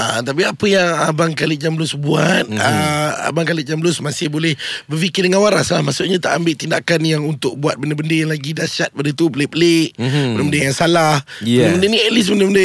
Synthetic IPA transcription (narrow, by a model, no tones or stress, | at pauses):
ʔa̰t̪ap̬iapəjaŋəbaŋkalɪd͡ʒambəlʊsbuat̪̚ə̰baŋkalɪʔ̪̚d͡ʒambəlʊsmasɪhbolɛhbərfikɪdəŋanwaɾaslahmasʊt̪̚ɲãt̪aʔambɪʔt̪indakanjaŋunt̪ʊk̚buat̪̚bəndəbəndəjaŋlaɡidaʃat̪̚padət̪upəleʔpəleʔbənəbəndəjaŋsalahbənmbəndəniɛlɪs̬bəndəməndə